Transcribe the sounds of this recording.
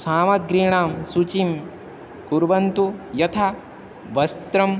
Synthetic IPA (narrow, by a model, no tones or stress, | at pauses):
saːmɐɡɾiɳaːmsut͡ʃim | kuɾʋɐnt̪ujɐt̪ʰa | ʋɐst̪ɾɐm